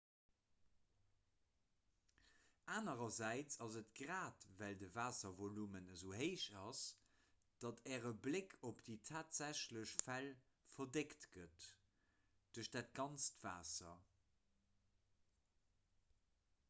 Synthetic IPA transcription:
ʔaːnəʁɐzæɪt͡sɑzətɡʁaːtvældəvaːsɐvolumənəzoːɦeɪʃɑs | d̥ɑtʰɛːʁəblekʰopd̥iːtʰaːtz̥æɕləɕfæl | fɐdektɡət | d̥ʉɐʃd̥aːt̚ɡɑnt͡stv̥a̰ːsɐ̰

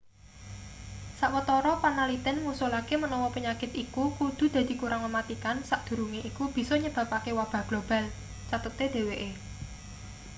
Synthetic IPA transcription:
saʔwət̪ɔɾɔpanalit̪ɪnŋusulakemənɔwɔpəɲakɪt̪ikukud̪̥ṳd̪̥ä̤d̪̥i̤kuɾaŋməmat̪ikansaʔd̪̥ṳɾuŋeʔikub̥i̤sɔɲəb̥ä̤pakewab̥a̤ɡ̥lob̥a̤l | t͡ʃat̪ət̪ed̪̥e̤weʔe

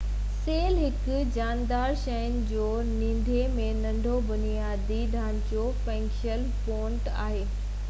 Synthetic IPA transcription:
seːlɦɪkʊd͡ʑaːnd̪aːɾʃɐjənɪ̆d͡ʑoː | nĩːnd̪ʱemẽnɐ̃ɳɖʱobʊnijaːd̪iɗʱãːñkopɛ̃ːŋkʃəl | põːɳʈa̰ːɦeː

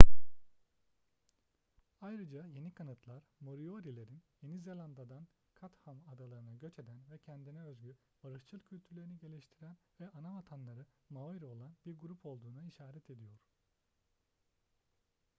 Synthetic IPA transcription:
ajɾɯd͡ʒaje̞nikʰanɯt̪ʰlˠaɾ̥mo̞ɾio̞ɾilʲe̞ɾinje̞nizelʲˠand̪ad̪an | kʰat̪hamad̪alˠaɾɯnaɟøt͡ʃe̞d̪ænvɛcʰɛnd̪inɛøzɟyɾ | baɾɯʃt͡ʃʰɯlˠcʰylʲt̪ʰyɾlʲeɾiniɟe̞lʲiʃt̪ʰiɾænvɛʔanamat̪ʰanlˠaɾɯmaiɾo̞lˠanbiɾɡuɾupʰo̞lˠd̪uːnaiʃaːɾɛt̪ʰe̞d̪ijo̞ɾ̥

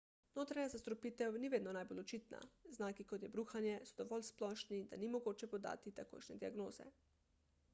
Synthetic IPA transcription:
noːt̪ɾaɲazast̪ɾɔpit̪ɛwniʋeːd̪nɔnaːjbolot͡ʃit̪na̰znaːkikot̪jɛbɾuːxanjɛsɔd̪ɔʋɔlsplɔːʃnid̪a̰nimoɡoːt͡ʃɛpod̪a̰ːt̪it̪ako̰ːjʃnɛd̪iaɡnoːz̥ɛ̰

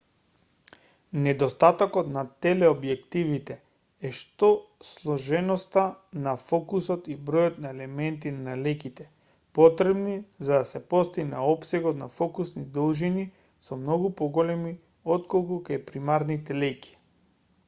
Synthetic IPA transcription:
nɛd̪ɔst̪at̪akɔt̪nat̪ɛlɛobjɛkt̪ivit̪ɛ | ɛʃt̪oslˠɔʒɛnɔst̪anafɔkusot̪ibɾɔjot̪naɛlɛmɛnt̪innalɛkit̪ɛ | pɔt̪ɾɛbnizad̪asɛpɔst̪iɡna̰ɔpsɛɡɔt̪nafɔkusnid̪ɔlˠʒini | sɔmnɔɡupoɡɔlɛmi | ɔt̪kolˠkukajpɾimaɾnit̪ɛlɛjki̥

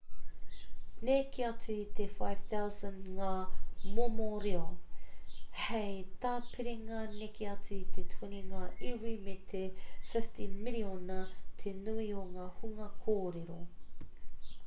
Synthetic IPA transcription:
nekʰeɐt͡suit̪efajv̥θawzənŋaːmomoɾeo | hejtaːpʰiɾiŋɐnekeɐt͡suit̪ʰetʰuniŋɐʔiwimet̪ʰefɪftinmɪlionɐtʰenuioŋaːhuŋɐkʰoːɾeɾo̰

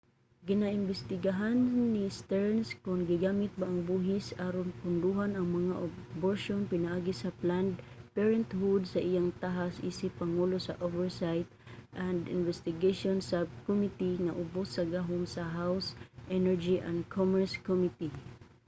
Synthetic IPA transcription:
ɡɪnaʔɪnbɛst̪ɪɡaɦanːist̪ɛɹnskʊnɡɪɡaːmɪt̪̚baːŋbuɦɪsaːɾonpʊnd̪uɦanɐŋmɐŋaʔoboɹʃonpɪnaʔaːɡisapland̪ | pɛɹɛnt̪hud̪saʔijaŋt̪aɦasʔḭsɪpɐŋulosaʔovɛɹsajt̪̚ʔand̪ɪ̰nvɛst̪ɪɡeʃonsab̚komit̪iŋaʔʊbʊsːɐɡaɦʊŋsaɦawsʔɛnɛɹd͡ʒiʔa̰nd̪kʰomɛɹskɔmit̪i

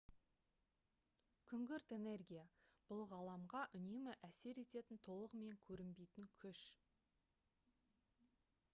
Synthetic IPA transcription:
kʲʰʏŋɡʲʏɾt̪e̞ne̞rɡʲijab̥ʊlˠʁɑlˠɑmʁɑʔʏne̞mɪʔæse̞ɾe̞t̪e̞t̪ɪnt̪ʰo̞lˠəʁme̞ŋkʲʰɵɾɪmbe̞jt̪ɪŋkʲʰʏʃ

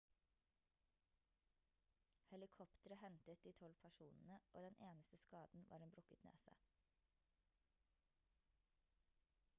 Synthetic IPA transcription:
hɛlɪkʰɔpt̪əɾəhɛnt̪ət̪̚d̪iːt̪ʰɔlpʰæʃuːnn̩əʔo̰ːd̪ɛnʔeːnəst̪əskɑːd̪n̩ʋʔɑ̰ːɾeːnbɾʊkət̪nḛːsæ̰ɪ

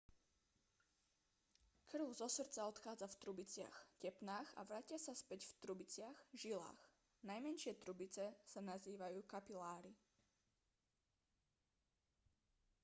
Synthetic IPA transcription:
kr̩ʊzɔsr̩t͡saɔt̪xaːd͡zaft̪ɾubit͡sɪa̰xcɛpnaːxa̰ʋɾacɪasaspɛɟft̪ɾubit͡sɪaxʒila̰ːx | najmɛnʃɪɛt̪ɾubit͡sɛsanaziːʋajuːkapilaːɾi

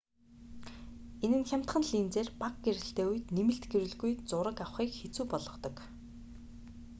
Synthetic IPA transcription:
enɘ̆nxʲam̥ʲt̪χə̆nɮiːnt͡seːrpak̚ɡeɾɘ̆ɬt̪eːuj̆t̪nemɘ̆ɬt̪ɡeɾɘ̆ɮɣujt͡sʊɾə̆kawχiːkxet͡suːpɔɮɞ̆χt̪ɞ̆k

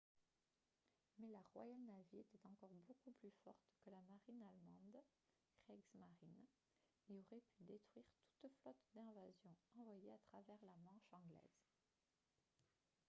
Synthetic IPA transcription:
mɛlaʁwa̰jalnaviet̪ɛt̪ɑ̃kɔʁbokuplyfɔʁt̪kəlamaʁinalmɑ̃d̪ | ɡʁɛɡzmaʁin | eɔʁɛpyd̪et̪χɥiʁt̪u̥t̪flɔt̪d̪ɛ̃vazjɔ̃ɑ̃vwajeat̪χavɛʁlamɑ̃ʃɑ̃ɡlɛ̰z̥

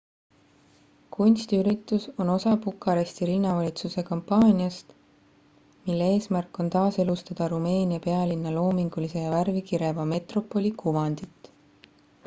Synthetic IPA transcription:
kʰunʲst̪iyɾit̪ːˑuso̞no̞sɑpukːˑɑɾest̪iɾinːɑvɑlʲit̪suse̞kɑmpːɑːnʲiɑst̪ | milːee̞ːsmærkːˑo̞nt̪ɑːse̞lust̪ɑd̪̥ɑɾume̞ːnʲiɑpe̞ɑlinːɑlo̞ːmiŋɡ̥ulise̞jɑværvikiɾe̞vɑme̞t̪ro̞pːˑo̞lʲikʰuvɑnd̪̥it̪ːˑ

